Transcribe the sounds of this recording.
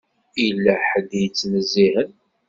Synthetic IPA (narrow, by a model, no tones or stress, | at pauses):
ilːæħəd̪jət͡sːnəzːihən